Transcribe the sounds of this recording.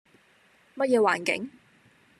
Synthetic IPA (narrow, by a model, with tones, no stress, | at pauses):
mɐ˥t̚jɛː˧waː˨˩nkɪ̰˨˥ŋ